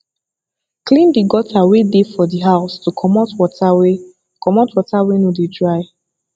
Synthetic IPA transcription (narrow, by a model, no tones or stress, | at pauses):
klĩndiɡɔtʰawedefɔdiɦaʊstukʰɔmɔtwɔtʰawe | kɔmɔtwɔtawenudidɹaɪ